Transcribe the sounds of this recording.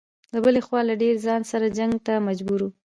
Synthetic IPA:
ləbəlexwɑlaɖeɾzɑnsaɾad͡ʒaŋɡt̪amad͡ʒbuɾu

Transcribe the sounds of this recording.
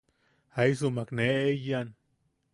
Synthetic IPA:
ajs̬umakneejan

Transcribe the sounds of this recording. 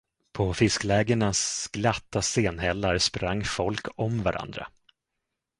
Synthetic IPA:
pʰɔfɪsklɛːɡəɳasɡ̥lat̪ːaseːnɦɛlːaɾspɾaŋːfɔlkʰɔmvaɾʔa̰nd̪ɾa̰

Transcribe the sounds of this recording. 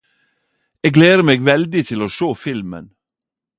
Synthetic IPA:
eːɡleːəmeːɡʋɛld̪ɪt̪ʰɪloːʃoːfɪlmə̰n

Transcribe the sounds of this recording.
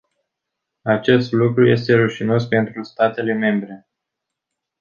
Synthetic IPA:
at͡ʃe̞st̪lukɾuje̞st̪e̞ɾuʃino̞spe̞nt̪ɾust̪at̪e̞le̞me̞mbɾe̞

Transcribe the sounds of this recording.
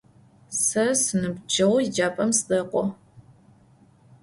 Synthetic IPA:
sɐsɨnɨbd͡ʒɐwid͡ʒaːpʼɐmsdɐqʷʼɔ

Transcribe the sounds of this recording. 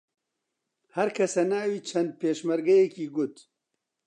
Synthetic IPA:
hɐɾkʰɐsɐnaːwiːt͡ʃʰɐnd̪̚peːʃmɐɾɡɐjɛkiːɡʊt̪

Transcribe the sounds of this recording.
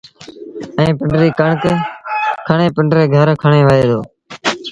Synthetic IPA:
ɛ̃ːpɪɳɖɾiːkəɳk | kʰəɳeːpɪɳɖɾeːɡʱəɾkʰəɳeːʋəeːd̪oː

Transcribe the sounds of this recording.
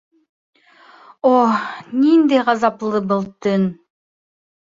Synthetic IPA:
onʲind̪ejʁɑzɑplˠɯbŏlˠt̪ɯn

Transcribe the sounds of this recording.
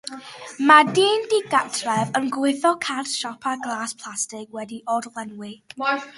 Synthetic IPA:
madiːndiɡatʰrɛvənɡwɪθɔkʰartʃɔpʰaɡlˠaːspʰlˠastɪɡwɛdiʔɔdlˠɛnwɪ

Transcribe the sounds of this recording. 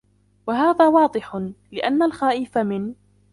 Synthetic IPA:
waɦaːðaːwɑːd̪ˤɨħʊlɪʔanːalxaːʔɪfamɪn

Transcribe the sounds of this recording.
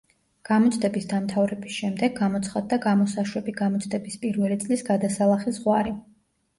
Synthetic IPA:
ɡ̥amɔt̪sʰʼd̪ɛbisd̪amt̪ʰavɾɛbisʃɛmd̪ɛɡamɔt̪sʰχad̪ːaɡamɔsaʃwɛbiɡamɔt̪sʰʼd̪ɛbispʼiɾvɛlit̪sʼlisɡad̪asalˠaχizʁwaɾi

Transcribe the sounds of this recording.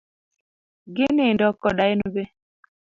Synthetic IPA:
ɡɪnendɔkːɔdaenobe

